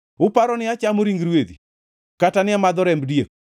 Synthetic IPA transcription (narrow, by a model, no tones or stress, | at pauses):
ʊpaɾɔnɪat͡ʃamoɾiŋɡɾwed̪ḭ | katanɪamad̪ɔɾɛmbdiek̚